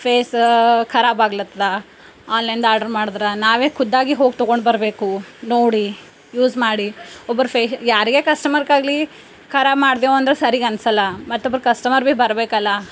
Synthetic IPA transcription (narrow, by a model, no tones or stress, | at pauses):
pʰeːskʰɐɾaːbaːɡlɐt̪ːɾɐ | aːlɐind̪aːɾɖɐɾmaːɽd̪ɾɐnaːʋeːkʰud̪ːaːɡiɦo̞ːɡ̚t̪oɡo̞ɳɖbɐɾbe̞ːkunoːɽi | juːzmaːɽiɔbːɐɾupʰeːsjaːɾiɡe̞ːkɐsʈɐmɐɾkaːɡli | kʰɐɾaːbmaːɽd̪eːʋoɐnd̪ɐɾesɐɾiɡɐnsɐlːɐmɐt̪ːobːɐɾkɐsʈɐmɐɾbebɐɾbeːkɐlːɐ